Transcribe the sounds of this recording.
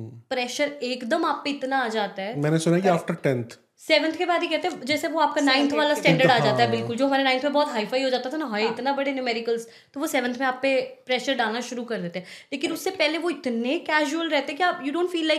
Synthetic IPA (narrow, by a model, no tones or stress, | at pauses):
pɾɛːʃəɾeːkd̪əmaːp̚ːeɪt̪naaːd͡ʒaːt̪aɦɛːmɛːnesʊnakiaːfʈəɾʈɛ̃nt̪ʰ | sɛːʋə̃nt̪ʰkebaːd̪ikɛɦt̪ẽɦɛ̃d͡ʒɛːseʋoaːp̚kanãːɪ̃nt̪ʰʋaːlasʈɛ̃ːɳɖəɽaːd͡ʒaːt̪aɦɛbɪlkʊld͡ʒoːɦɐmaːɾenãɪ̃nt̪ʰmẽbɔːt̪ɦaːifaːiɦoːd͡ʒaːt̪at̪ʰanaɦaɪt̪nabɐɽenjʊmɛːɾɪkəlz | t̪oːʋosɛːʋə̃nt̪ʰmẽaːp̚ːepɾɛːʃəɾɖaːlnaʃʊɾukɐɾd̪eːt̪eɦɛleːkɪnʊsːepɛɦleʋoɪt̪nekɛːʒuəlɾɛɦt̪eɦɛkiaːpjuːɖõːnɳʈfiːlːaɪk